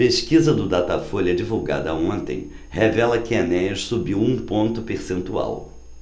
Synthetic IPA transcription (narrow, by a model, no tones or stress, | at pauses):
peʃkizɐd̪ʊd̪at̪ɐfoʎʲɐd͡ʒivuwɡa̰d̪ɐõnt̪ḛ̃j̃ | hevɛlɐkɪanɛɐʃsubiwũpõnt̪ʊpeɾsẽnt̪ua̰w